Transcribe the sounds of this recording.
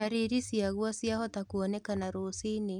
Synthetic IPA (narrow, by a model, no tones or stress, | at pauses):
aɾiɾisiaɣwɔsjahɔtakuɔnɛkanaɾosine